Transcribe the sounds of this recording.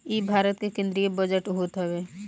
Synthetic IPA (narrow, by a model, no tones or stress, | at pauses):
ibʱaːɾət̪kekẽːnd̪ɾiebəd͡ʒəʈɦot̪ɦɛʋeː